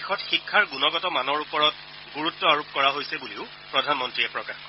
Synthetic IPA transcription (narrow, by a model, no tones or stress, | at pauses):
xɔtxikʰːaɹɡunɔɡɔtɔmanɔɹupɔɹɔt̚ | ɡuɹutːɔaɹup̚kɔɹaɦojsɛbuliʊ | pɹɔdʱanmɔntɹiɛpɹɔkaxkɔ